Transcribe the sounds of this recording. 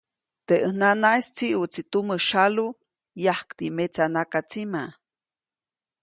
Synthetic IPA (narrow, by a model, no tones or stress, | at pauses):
t̪eʔəhnanaist͡siut͡sit̪uməʃalu | jahkt̪imet͡sanakat͡sima